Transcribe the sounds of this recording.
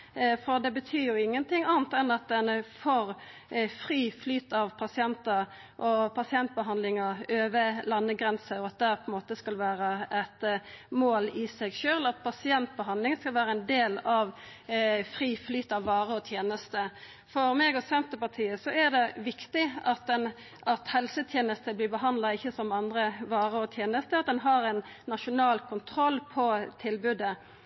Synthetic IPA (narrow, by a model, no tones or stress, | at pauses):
fɔd̪ɛbət̪ʰyːjʊɪŋːənt̪ʰɪŋːɑːnt̪ɛnɑt̪̚d̪ɛnfɔɾ | fʁiːflyːt̪ɑʋpʰɑsɪɛnt̪əɾ | ʔɔpʰɑsɪɛnt̪̚bəɦɑnd̪lɪŋəøːʋəlɑnːəɡʁɛnsəɔɑt̪̚d̪ɛpʰɔɛnmoːt̪əskɑlʋæːɾəʔɛt̪moːlɪsɛɡʃøːlɑt̪̚pʰɑsɪɛnt̪̚bəɦɑnd̪lɪŋskɑlʋæːɾəɛnd̪eːlɑʋ | fɾiːflyːt̪ɑʋːɑːʁəɔt̪ʰjeːnəst̪ə | fɔɾmeːɡɔsɛnt̪əpɑt̪ʰiːəsɔæd̪ɛʋɪkt̪ɪɑt̪̚d̪ɛn | ʔɑt̪hɛlsət̪ʰjeːnəst̪əblɪːbəɦɑnd̪lɑɪçːəsɔmɑnd̪ɾəʋɑːʁəɔt̪ʰjeːnəst̪əɑt̪̚d̪ɛnɦɑɾɛnːɑʃʊnɑːlkʰʊnt̪ʰɾɔlːpʰɔt̪ʰɪlbʉd̪ə